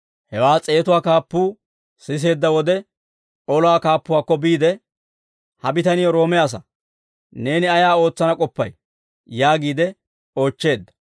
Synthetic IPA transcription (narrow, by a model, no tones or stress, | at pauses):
hɛwaːt͡sʼe̞ːt̪ʊwaːkaːpːuː | sɪs̬e̞ːd̪ːɐwɔd̪ɛ | ɔlɔwaːkaːpːʊwaːkːɔbiːd̪ɛ | hɐbɪt̪ɐnɪjɔɾo̞ːmɪjaːs̬ɐ | ne̞ːnɪɐjaːo̞ːt͡sːɐnɐkʼɔpːɐj | jaːɡiːd̪ɛ | o̞ːt͡ʃːe̞ːd̪ːɐ̥